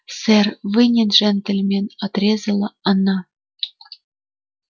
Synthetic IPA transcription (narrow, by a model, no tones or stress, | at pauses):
sʲɘrʲvɨnʲĕnʐænt̪ɘ̆lʲmʲenʲɑt̪rʲezʲɤ̆lʲˠɤɑnɑ